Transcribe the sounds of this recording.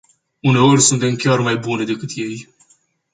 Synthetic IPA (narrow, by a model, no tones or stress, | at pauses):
une̞o̞rʲsunt̪e̞mkʲarmajbune̞d̪e̞kɨt̪je̞j